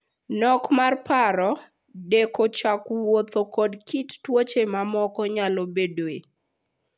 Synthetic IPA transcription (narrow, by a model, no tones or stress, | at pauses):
nɔkmarpaɾɔ | dekot͡ʃakwot̪okɔdkittwot͡ʃemamɔkɔɲalobedoe